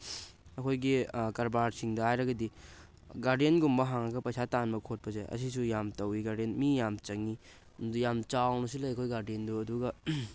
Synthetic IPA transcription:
ɐkʰojɡikɐɾbaɾsiŋdɐhajɾɐɡɐdi | ɡaɾdijenɡumbɐɦaŋɐɡɐpɐjsʰatanmɐkʰot̚pɐzḛʔɐ̰s̬isujamtɐwiɡaɾdienmijamt͡ʃɐŋi | dujamt͡ʃawnɐs̬ilɐjɐkʰojɡaɾdienduɐduɡɐ

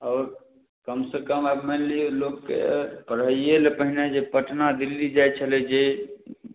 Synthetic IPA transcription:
ɔːɾ | kəmsekəmabmelilokkḛpəɾɦəijelepəɦined͡ʒepəʈnad̪ilːid͡ʒajt͡ʃʰəlɛd͡ʒe

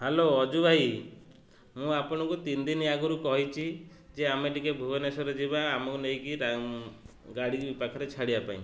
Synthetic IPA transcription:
heloɔd͡ʒubʱaj | mũapɔɽ̃ɔ̃kut̪ind̪inaɡuɾukɔɦit͡ʃʰi | d͡ʒeameʈikebʱubɔnesɔɾed͡ʒibaːmɔkunejkiɾa | ɡaɽibipakʰɔɾet͡ʃʰaɽiapaḭ̃

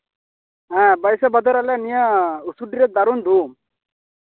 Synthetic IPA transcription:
ɛ̃bəjsɛbɔd̪ɔɾalɛnijausuɖiɾɛt̪̚d̪aɾund̪um

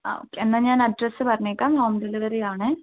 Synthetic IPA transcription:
a̰ːo̰ːkːeenːaːɲaːnɐɖɾɐsɨpɐɾɐɲːeːkːaːmɦoːmɖɐlɐʋɐɾejaːɳɨ

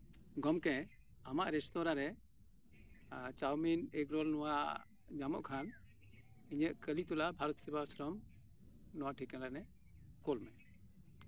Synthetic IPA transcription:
ɡɔmkɛ̃ | amaʔɾɛst̪ɔɾaɾɛ | t͡ʃawminɛkɾɔlnɔwaʔ | d͡ʒamɔ̰ʔkʰan | iɲəʔ̪kəlit̪ulabʱaɾɔt̪sibasɾɔm | nɔwaʔʈʰikɛ̃lanɛ | kɔlmɛ

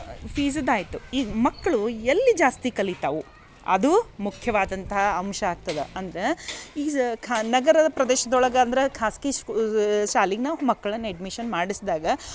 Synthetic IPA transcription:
pʰiːzɐd̪aːjit̪uiːɡɐmɐkːɐɭuelːid͡ʒaːst̪ikɐlit̪ɐʋu | ɐ̰d̪umukʰjɐʋaːd̪ɐnt̪ɐɦɐːmʃɐaːɡ̚t̪ɐd̪eɐnd̪ɐɾeiːkʰnɐɡɐɾɐd̪ɐpɾɐd̪ɛːʃɐd̪ɔɭɐɡɐːnd̪ɐɾekʰaːski | ʃaːliɡnaːʋumɐkːɐɭɐnːeɖmiʃɐnmaːɽisd̪aːɡɐ

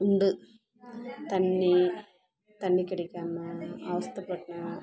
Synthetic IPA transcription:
uɳɖɨ | t̪ɐnːi | t̪ɐnːikːɪɽɐkʲːaːmɐaːʋɐst̪ʰɐpːɐʈːɐɳɐ

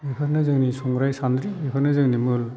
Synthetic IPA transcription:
epʰɯɾnɯzɯŋnisɔŋɡɾajsandɾiepʰɯɾnɯzɯŋnimɯl

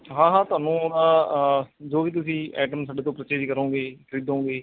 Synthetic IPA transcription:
ɦãːɦãːt̪ʊaːnũːod̪aː | d͡ʒoːʋiːt̪̬ʊsĩːɛːʈəmsaːɖeːt̪õːpɾət͡ʃeːd͡ʒkəɾõːɡeːkʋiːd̪õːɡeː

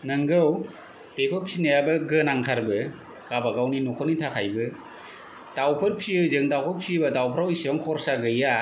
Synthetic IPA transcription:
nɯŋɡɯw | tekʰɔpʰsinajabɯɡɯnaŋkʰaɾbɯ | ɡ̥abaɡawninɔkʰɔnitʰakʰajbɯ | dawpʰɯɾpʰiɯzɯŋdawpʰɔpʰsibɯdawpʰɾawisɔŋkʰɔɾsaɡɯja

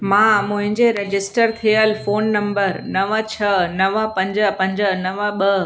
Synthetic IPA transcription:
mãːmʊ̃ɦɪ̃ɲd͡ʑeɾed͡ʑɪsʈəɾt̪ʰijəlfoːnːɐ̃mbəɾnɐʋət͡ɕʰɐnɐʋə̆pɐ̃ɲd͡ʑəpɐ̃ɲd͡ʑə̆nɐʋəɓə

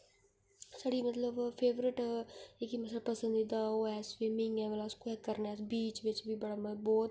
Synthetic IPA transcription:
saːɖiːmət̪ləbpʰeːʋɾɪʈɪkimət̪ʰlapəsə̃nd̪iːd̪aːoːɛːsʋemɪŋɡɛ̃ːʋəlaːskɛːkəɾnɛːsbiːt͡ʃʋɪt͡ʃʋiːbəɽaːməbɔːt̪

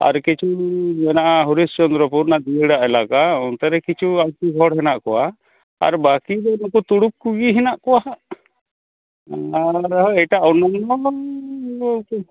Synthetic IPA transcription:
a̰ɾkit͡ʃʰud͡ʒɛnaʔaɦuɾist͡ʃɔnd̪ɾɔpuɾnad̪iəɽaʔɛlakaɔnt̪ɛɾɛkit͡ʃʰuajt̪iɡʱɔɽɦɛnaʔkɔwa | a̰ɾbakid̪ɔnɔkɔt̪uɽup̚kuɡiɦɛnaʔkɔwaʔ | aɾɦɔɛjʈaʔɔnanɔ

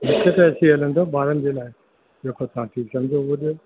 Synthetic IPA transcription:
mɪkʰek̪ɐɐt͡ɕʰĩɦɐlə̃nd̪ʰoːɓaːɾənɪ̆d͡ʑeːlaːɪ | ɗeːkʰot̪ɐʋ̤ãʈʰiːksɐ̃md͡ʑʱouɗijo

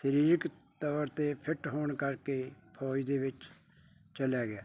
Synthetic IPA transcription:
səɾiːɾɪkt̪əːəɾt̪eːpʰɪʈɦoːɳkəɾkeːpʰɔːid̪eːʋɪt͡ʃ | t͡ʃəlaːɡɪaː

